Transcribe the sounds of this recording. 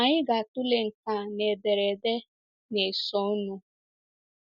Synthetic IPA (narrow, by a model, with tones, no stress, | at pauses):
a˨ɲɪ˦ɡa˨tʊ˦le˨ŋ̩˨ka˨ne˨be˨ɾe˨de˦ | ne˨sɔ˦nu˦